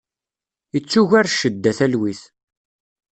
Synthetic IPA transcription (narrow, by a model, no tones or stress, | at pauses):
ət͡sːuʝaɾʃːəd̪ːæθælwiθ